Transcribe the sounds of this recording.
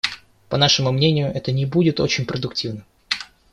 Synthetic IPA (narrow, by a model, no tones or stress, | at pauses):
pɐnaʂɨmʊmnʲenʲɪjʊʔɛt̪ənʲɪbudʲɪt̪o̞̰t͡ɕɪnʲpɾəd̪ʊktʲivnɨm